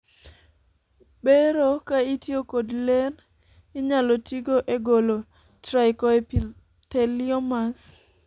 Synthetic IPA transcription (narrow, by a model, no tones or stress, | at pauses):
beɾokaitjokodler | ɪɲalotiɡoʔeɡolo | tɾaɪkɔep | t̪elɪɔmas